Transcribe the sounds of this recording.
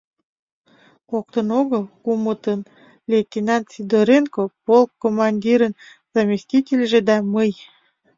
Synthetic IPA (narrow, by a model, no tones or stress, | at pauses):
ok̚t̪ənoɣəlkumət̪ən | lʲet̪ʲinɑnt̪sid̪oɾenkopolkːomɑnʲdʲiɾən | z̥amʲisʲtʲitʲelʲʒed̪ɑməj